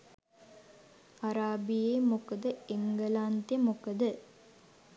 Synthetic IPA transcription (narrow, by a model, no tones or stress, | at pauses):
aɾaːbijeːmukəd̪əeŋɡəlant̪emukəd̪ə